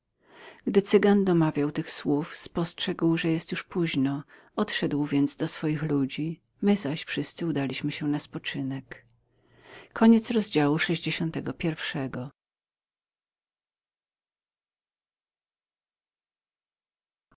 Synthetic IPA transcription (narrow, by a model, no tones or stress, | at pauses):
ɡ̥d̪ɘt̪sɘɡand̪ɔmavʲjawt̪ɘxswufspɔstʂɛɡwʐɛjɛst̪juʂpuʑnɔ | ɔt̪ʂɛd̪wvʲjɛnd̪zd̪ɔsfɔjixlud͡ʑi | mɘzaɕfʂɘst̪sɘud̪alʲiɕmɘɕɛnaspɔt͡ʂɘnɛk | ɔɲɛt̪sɾɔzd͡ʑawuʂɛʑd͡ʑeɕɔnt̪ɛɡɔpʲjɛɾfʂɛɡɔ